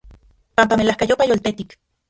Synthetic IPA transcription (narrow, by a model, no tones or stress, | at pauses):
pampamelahkajopajolt̪et̪ik